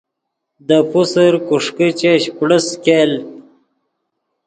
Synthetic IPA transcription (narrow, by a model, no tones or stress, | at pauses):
d̪əpusəɾkuʂkit͡ɕeɕkɽəskel